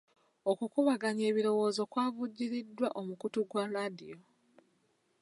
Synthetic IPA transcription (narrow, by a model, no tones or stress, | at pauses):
o̞kukuβaɡaɲe̞ːβiɾo̞wo̞ːzo̞kwaːvuɟːiɾidːwaʔo̞mukutuɡwaladḭjo̞